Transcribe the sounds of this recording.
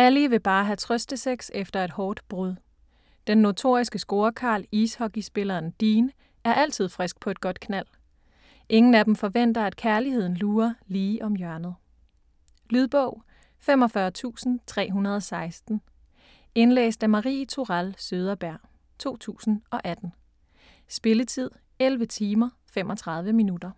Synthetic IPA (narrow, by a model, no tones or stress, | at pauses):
æliʋe̝b̥ɑ̈ːɦæt͡sʰʁœsd̥əseɡ̥sefd̥ɐe̝d̥hɒːd̥b̥ʁɔðˠ | d̥enːo̝t͡sʰo̝ɐ̰isɡ̥əsɡ̥o̝ːɐkʰɑ̈ːliːshɒ̽ɡ̥isb̥e̝lɐːnd̥iːn | æɐʔæl̰t͡sʰið̰ˠfʁɛsɡ̥̚pʰɒ̽e̝d̥ɡ̥ɒ̽d̥kʰnæl̰ | ʔe̝ŋn̩æd̥em̩fɒ̽ʋen̰d̥ɐæd̥kʰæɐlihe̝ð̰ˠn̩luːɐliːʔɒ̽mjɶɐnð̞̩ˠ | lyð̞ˠb̥ɔʊ | femɒ̽fɶɐt͡sʰṵːsn̩t͡sʰʁɛ̰ːɦunɐð̞ˠɒ̽sɑ̈ɪsd̥n̩ | e̝nlḛːsd̥æmɑ̈ʁḭːt͡sʰoʁælsøːðˠɐb̥æɐ̰ | t͡sʰo̝̰ːt͡sʰṵːsn̩ɒ̽ʔæd̥n̩ | sb̥e̝lət͡sʰið̞̰ˠ | elʋət͡sʰiːmɐ | fem̰ʔɒ̽t͡sʰʁɑ̈ð̞ˠʋəminud̥ɐ